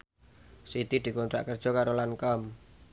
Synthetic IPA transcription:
sit̪id̪̥i̤kɔnt̪ɾa̰ʔkərd̥ʒ̥ɔ̤kaɾolaŋkɔm

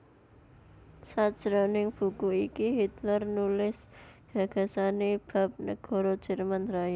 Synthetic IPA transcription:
sad̥ʒ̥ɾɔnɪŋb̥ṳkuikiɦit̪lərnulɪs | ɡ̥a̤ɡ̥a̤saneb̥a̤p̚nəɡ̥ɔ̤ɾɔd̥ʒ̥ə̤rmanɾaja

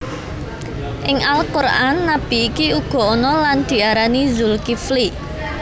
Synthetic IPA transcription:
ʔɪŋalkʊranːab̥i̤ːkiuɡ̥ɔ̤ɔnɔland̪̥i̤aɾanizulkifli

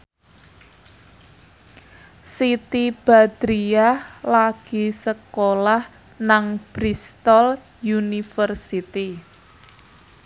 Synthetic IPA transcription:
sit̪ib̥a̤d̪̥ɾiahlaɡ̥i̤səkolah | naŋb̥ɾist̪ɔl | junifərsit̪i

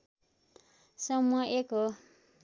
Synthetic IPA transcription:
sʌmuʌʔekɦo

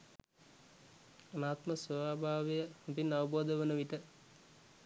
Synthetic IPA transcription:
ənaːt̪məsəʋaːbʱaːʋejəhubinːaʋəboːd̪əʋənəʋiʈə

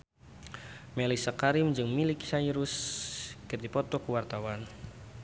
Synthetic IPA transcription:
mɛlisəkaɾɪmd͡ʒɨŋmiliksaiɾuskərd̪ipɔt̪ɔkuwart̪awan

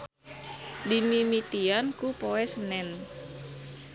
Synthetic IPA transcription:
dimimit̪iankupɔwɛsənɛn

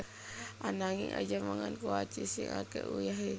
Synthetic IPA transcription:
anaŋiŋʔad͡ʒamaŋankuat͡ʃisiŋakɛʔujaɦe

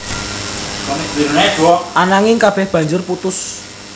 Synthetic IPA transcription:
kɔmibiɾnɛd̥uwɔʔanaŋɪŋkab̥ɛhb̥ä̤ɲd͡ʒʊrput̪ʊs

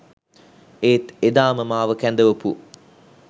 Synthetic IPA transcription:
eːt̪ed̪aːməmaːʋəkænd̪əʋopu

